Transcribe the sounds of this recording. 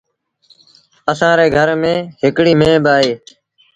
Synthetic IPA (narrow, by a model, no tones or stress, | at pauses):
əsãːɾeːɡʱəɾmẽːɦɪkɽiːmẽːbɪaːɦeː